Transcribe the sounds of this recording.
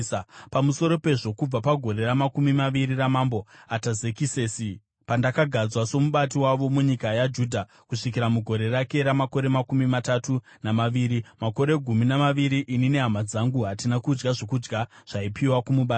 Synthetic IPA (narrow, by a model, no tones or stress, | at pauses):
pamuso̞ɾo̞pe̞ʐo̞kub͡vapaɡʱo̞ɾe̞ramakumimaʋiɾiramambo̞atazekiseːsi | pandakaɡʱad͡zwaso̞muɓat̬iwaʋo̞muɲikajad͡ʒuːdʱa | kuʂikiɾamuɡʱoɾe̞rake̞ɾamako̞ɾe̞makumimatatu | namaʋiːɾimako̞ɾe̞ɡʱuminamaʋiɾiʔinine̞ɦamad͡zaŋɡuɦatinakud͡ʒɡaʐo̞kud͡ʒɡaʐ̥aipiwakumuɓaːt